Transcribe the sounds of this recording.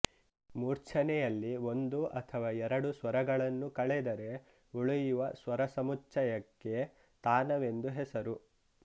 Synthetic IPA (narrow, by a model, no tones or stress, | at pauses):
muːɾt͡ʃʰɐnɛjɐlːio̞nd̪uʔɐt̪ʰɐʋaːɛɾɐɽusʋɐɾɐɡɐɭɐnːukɐɭɛd̪ɐɾe̞ | uɭujuʋɐsʋɐɾɐsɐmut͡ʃɐjɐkːe̞ | t̪aːnɐʋe̞nd̪uɦɛsɐɾu